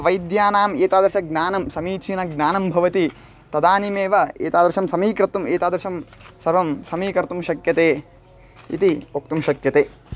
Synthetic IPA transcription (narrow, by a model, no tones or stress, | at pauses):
ʋɐjd̪jaːnaːmeːt̪aːd̪ɐɾʃɐɡnaːnɐmsɐmiːt͡ʃinɐɡnaːnɐmbʱɐʋɐt̪i | t̪ɐd̪aːnimeːʋɐḛːt̪aːd̪ɾʃɐmsɐmiːkɾɐt̪umeːt̪aːd̪ɾɐʃɐmsɐɾʋɐmsɐmiːkɐɾɐt̪umʃɐkjɐt̪eː | ḭt̪iok̚t̪umʃɐkjɐt̪eː